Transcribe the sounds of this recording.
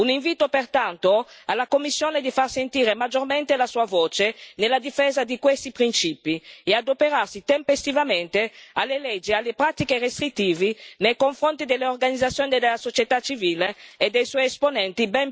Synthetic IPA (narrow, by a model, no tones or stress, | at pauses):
uniɱviːt̪opert̪ant̪oalːakomːisːjoːned̪ifarsent̪iːɾemad͡ʒorment̪elasuːavoːt͡ʃenelːad̪ifeːzad̪ikwest̪ipɾint͡ʃiːpiead̪opeɾarsit̪empest̪ivament̪ealːelɛd͡ʒːialːepɾat̪ikerest̪ɾit̪ːiːvinejkoɱfɾont̪id̪elːeorɡanid̪zat̪sːjoːnid̪elːasot͡ʃjet̪at͡ʃːiviːleːd̪ːejsɔjɛsponɛnt̪ibɛm